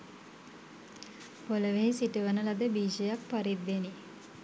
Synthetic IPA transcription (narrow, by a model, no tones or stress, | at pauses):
poləʋeɦisiʈəʋənəlad̪əbiːʃejak̚paɾid̪ːeni